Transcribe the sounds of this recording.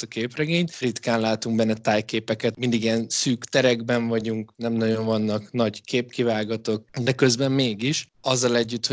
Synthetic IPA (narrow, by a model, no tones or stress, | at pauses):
t̪ɒkeːprɛɡeːɲt̪rit̪kaːnlaːt̪uŋɡbɛnːɛt̪aːjkeːpɛkɛt̪mind̪iɡiɛnsyːkt̪ɛɾɛɡbɛɱvɒɟuŋknɛmnɒɟo̞ɱvɒnːɒknɒɟkʰeːpkivaːɡɒt̪ok̚d̪ɛkøzbɛmːeːɡiʃɒzːɒlɛɟːyt̪ho